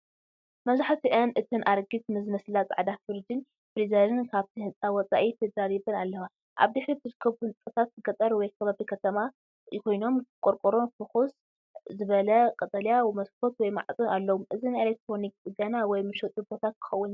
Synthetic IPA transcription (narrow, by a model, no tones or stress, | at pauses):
mɐzaħt̪iʔɨnʔɨt̪ʰɨnʔaɾɡɨt̪̚mɨzmɐslat͡sʼʕad̪afɨɾd͡ʒ̪in | bɾizalɨnkʰaβt̪ʰihɨnt͡sʼawɔt͡sʼa̰ʔifed̪ɐɾaljɛbɐnalːɐwa | ʔa̰βd̪ɨħɾit̪ʰɨɾɨkʰːɐβuhɨnt͡s̪ʼɐt̪ʰat̪̚ːɨɡɐt̪ʼɐɾwɔjkʰɐβaβikʰɐt̪ʰɐma | kʰo̞jno̞mkʼoɾkʼoɾofɨxos | zɨβɐlɐkʼɐt̪ʼɐljamɐskʰo̞t̪wɔjma̰ʕt͡sʼunalːɐwumʔɨzinelek̚t̪ʰɾo̞nik̚ʼɨɡɐnawɔjmɨʃot̪ʼubo̞t̪ʰat̪̚kʰɨ̥xɐwːʊn